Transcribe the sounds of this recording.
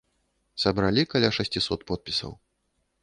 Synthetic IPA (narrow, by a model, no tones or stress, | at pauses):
sɐbɾalʲikɐlʲaʂasʲt͡sʲisɔt̪pɔt̪̚pʲisɐ̰w